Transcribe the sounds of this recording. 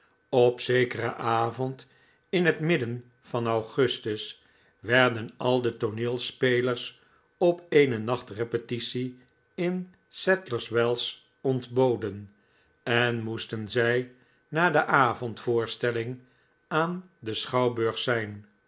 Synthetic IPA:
ɔpsejkərəʔaːvɔnt | ɪnɦətmɪdən | fɑnɑwχɵstəs | ʋɛɹdənɑlˠdətonɪːlˠspejləɹs | ɔpeːjnənɑχtrepətisi | ɪn | sɛtləɹswɛlˠs | ɔndbowdən | ɛnmustənzɛj | naːdəʔaːvɔntfʊːɹstɛlɪŋ | aːndəsχɑwbøɹχsɛjn

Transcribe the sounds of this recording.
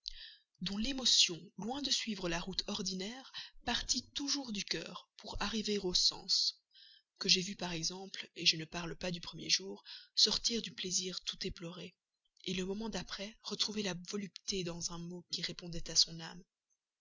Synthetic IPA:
d̪ɔ̃lemɔsjɔ̃lwɛ̃d̪əsɥivʁəlaʁut̪ʰɔʁd̪inɛːʁpaʁt̪it̪uʒuːʁd̪ykʲœ̰ːʁpʰuʁaʁiveʁosɑ̰̃s | kəʒevypaʁɛɡzɑ̃pleʒənəpaʁlpad̪ypχəmjḛʒuːʁsɔʁt̪iʁd̪ypleziʁt̪ut̪eplɔʁe | eləmɔmɑ̃d̪apχɛʁət̪χuvelavɔlypt̪ed̪ɑ̃zɛ̃mokʲiʁepɔ̃d̪ɛt̪asɔ̃nam

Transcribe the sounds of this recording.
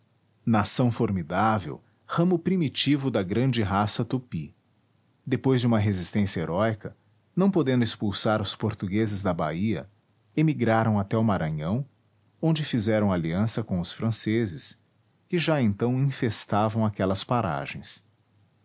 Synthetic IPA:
nasɐ̃w̃foɾmid̪avḛw | hɐ̃mʊpɾimit͡ʃivʊd̪ɐɡɾɐ̃nd͡ʒɪɦasɐt̪upi | d̪epojzd͡ʒɪũmɐɦezist̪ẽsjɐeɾʔɔjkɐ | nɐ̃w̃pod̪ẽnd̪ʊespulsaɾʊspoɾt̪uɡezɪzd̪ɐba̰iɐ̰ | emiɡɾaɾɐ̃w̃at̪ɛʊmaɾɐ̃ɲɐ̃w̃ | õnd͡ʒɪfizɛɾɐ̃w̃aliɐ̃sɐkõw̃ʊsfɾɐ̃sezɪs | kɪʒaẽnt̪ɐ̃w̃ĩfest̪avɐ̃w̃akɛlɐspaɾa̰ʒẽj̃s

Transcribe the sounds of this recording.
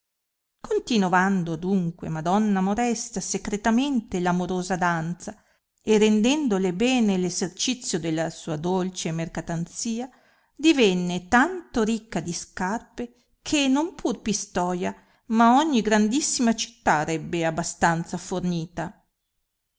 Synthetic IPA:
kont̪inoand̪od̪uŋkwḛmad̪ɔnːamoɾɛst̪asekɾet̪ament̪elamoɾoːzad̪ant̪sa | erend̪ɛnd̪olebɛːnelezert͡ʃit̪sːjod̪elːasuːad̪olt͡ʃemerkat̪ant̪siːa | d̪ivɛnːet̪ant̪oɾikːad̪iskarpe | kʰenompʰurpist̪ɔːja | maɔɲːiɡɾand̪isːimat͡ʃi̥t̪ːaːɾɛbːeabːast̪ant̪saforniːt̪a

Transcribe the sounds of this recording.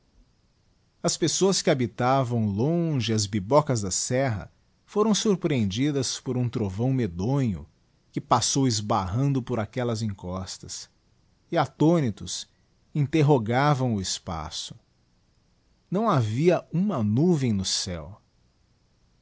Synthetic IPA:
ɐspesoɐskɪabit̪avɐ̃w̃lõʒɪɐzbibɔkɐzd̪ɐsɛɦɐ̰ | foɾɐ̃w̃suɾpɾiẽnd͡ʒid̪ɐspoɾũt̪ɾovɐ̃w̃med̪õɲʊ̰ | kɪpasowɪzbaɦɐ̃nd̪ʊpʊɾakɛlɐzẽŋkɔst̪ɐs | ɪat̪onit̪ʊs | ĩnt̪eɦoɡavɐ̃w̃ʊɪspa̰sʊ̥ | nɐ̃w̃aviɐũmɐnuvẽj̃nʊsɛw

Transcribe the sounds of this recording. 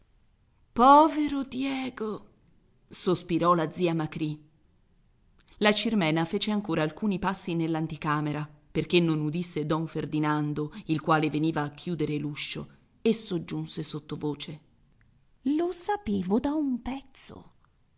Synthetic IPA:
pɔːveɾod̪jɛːɡo | sospiɾɔlad̪zːiːamakɾi | lat͡ʃirmɛːnafeːt͡ʃeaŋkoːɾaːlkuːnipasːinelːant̪ikaːmeɾaperkenːonud̪isːed̪ɔɱferd̪inand̪oilkwaːleveniːvaːkʰːjuːd̪eɾeluʃːo̰ | esːod͡ʒːunsesot̪ːovoːt͡ʃe | losapeːvod̪aumpɛt̪so̰

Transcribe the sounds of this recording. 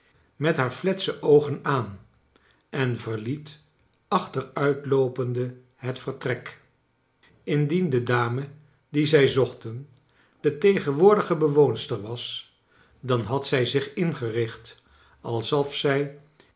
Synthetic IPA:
mɛtɦaːɹflɛtsəʔowχənaːn | ʔɛnvəɹlit | ɑχtərœɥtlowpəndə | ɦətfəɹtrɛk | ɪndindədaːmə | dizɛjzɔχtən | d̥ətejχənʋʊːɹdəχəbəʋownstəɹʋɑs | dɑnɦɑtsɛjzɪχɪnχərɪχt | ɑlˠsɔfsɛj

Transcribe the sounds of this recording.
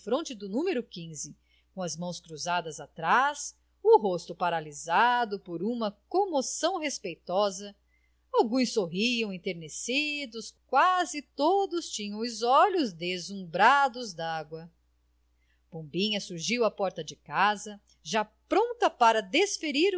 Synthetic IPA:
fɾõnt͡ʃɪd̪ʊnũmeɾʊkĩzɪ | kõɐzmɐ̃w̃skɾuzad̪ɐzat̪ɾas | ʊɦost̪ʊpaɾalizad̪ʊpoɾũmɐkomosɐ̃w̃ɦespejt̪ɔzɐ | awɡũj̃sːoɦiɐ̃w̃ẽt̪eɾnesid̪ʊskwazɪt̪od̪ʊst͡ʃĩɲɐ̃w̃ʊzɔʎʊzd̪ezũbɾad̪ʊzd̪aɡwɐ | b̥õmbĩɲɐsuɾʒiwɐpɔɾt̪ɐd͡ʒɪkazɐ | ʒapɾõt̪ɐpaɾɐd̪esfeɾiɾ

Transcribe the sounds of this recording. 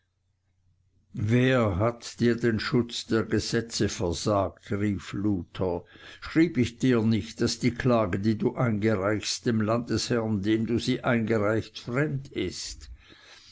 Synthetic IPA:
veːɐɦatd̥iːɐdenʃʊt͡sd̥eːɐɡəz̥ɛt͡səfɛɐzaːk̚tʁiːfluːtʰɐʃʁ̥iːbɪçd̥iːɐnɪçt̚d̥asd̥iːkʰlaːɡədiːduːʔaɪnɡəʁaɪçstd̥emlant̚dəshɛɐndeːmduːziːʔaɪnɡəʁaɪçtfʁɛmdɪst

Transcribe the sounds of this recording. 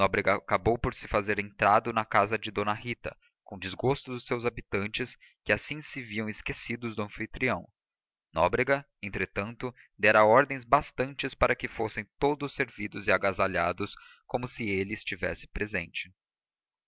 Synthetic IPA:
nɔbɾeɡɐakabowpoɾsɪfazeɾẽnt̪ɾad̪ʊnɐkazɐd͡ʒɪd̪õnɐhit̪ɐ̰ | kõd͡ʒɪzɡost̪ʊd̪ʊsewzabit̪ɐ̃nt͡ʃɪs | kɪasĩsɪviɐ̃w̃ɪskesid̪ʊzd̪ʊɐ̃fit̪ɾiɐ̃w̃ | nɔ̰bɾeɡɐ | ẽnt̪ɾet̪ɐ̃nt̪ʊ | d̪ɛɾɐɔɾd̪ẽj̃zbast̪ɐ̃nt͡ʃɪspaɾɐkɪfosẽj̃t̪od̪ʊsːeɾvid̪ʊzɪaɡazaʎad̪ʊs | kõmʊsɪelɪːst͡ʃivɛ̰sɪ̥pɾezẽnt͡ʃɪ̥

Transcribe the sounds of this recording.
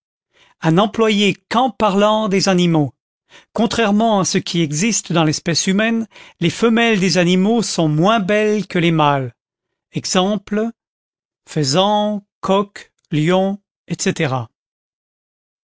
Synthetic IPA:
ãnɑ̃plwajekɑ̃paʁlɑ̃d̪ezanimo | kɔ̃t̪χɛʁmɑ̃asəkʲiɛɡzist̪d̪ɑ̃lɛspɛsymɛnlefəmɛld̪ezanimosɔ̃mwɛ̃bɛlkəlemal | ɛɡzɑ̃pl | fəzɑ̃kʰɔk | ljɔ̃ | ɛt̪set̪eʁa

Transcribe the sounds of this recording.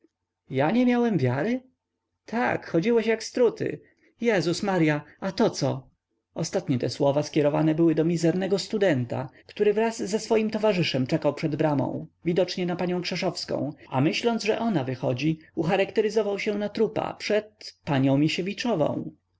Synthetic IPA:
jaɲɛmʲjawɛmvʲjaɾɘ | t̪ʰa̰kxɔd͡ʑiwɛɕjakst̪ɾut̪ɘ̰ | jɛzusmaɾjaat̪ɔt̪sɔ | ɔst̪at̪ɲɛt̪ɛswɔvaskʲɛɾɔva̰nɛbɘwɘd̪ɔmʲizɛɾnɛɡɔst̪ud̪ɛnt̪a̰kt̪uɾɘvɾazːɛsfɔjimt̪ɔvaʐɘʂɛmt͡ʂɛkawpʂɛd̪bɾamɔ̰̃w̃vʲid̪ɔt͡ʂɲɛnapaɲɔ̃w̃kʂɛʂɔfskɔ̰̃w̃a̰mɘɕlɔnd̪zʐɛ̰ʔɔnavɘxɔd͡ʑiuxaɾakt̪ɛɾɘzɔvawɕɛ̃nat̪ɾupa̰pʂɛt̪paɲɔ̃w̃mʲiɕɛvʲit͡ʂɔvɔ̰̃w̃

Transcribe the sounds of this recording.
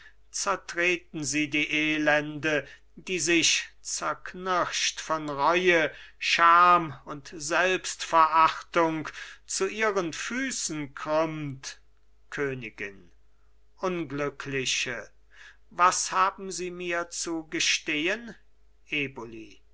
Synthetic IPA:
t͡sɛɐtʁ̥eːtn̩ziːdiːʔeːlɛndə | diːzɪʃt͡sɛɐknɪʃtfɔnʁɔʏəʃaːmʊntz̥ɛlpstfɛɐʔaχtʊŋkt͡suʔiːʁənfyːsn̩kʁʏmt | kʰøːnɪɡɪ̰n | ʔʊnɡlʏkʰlɪʃə | vashaːbm̩ziːmiːɐt͡suɡəʃteːən | ʔeːboli

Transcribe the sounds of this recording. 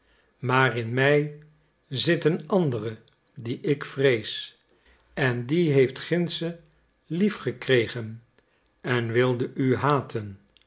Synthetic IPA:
maːrɪnmɛj | zɪtənɑndərə | diʔɪkfrejs | ɛndiɦejftχɪnsə | lifχəkrejχən | ɛnʋɪlˠdəʔyɦaːtʰən

